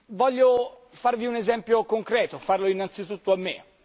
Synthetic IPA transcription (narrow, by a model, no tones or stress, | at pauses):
vɔʎːo | farviunezɛmpjokoŋkɾɛːt̪ofarloinːant̪sit̪ut̪ːoamːḛ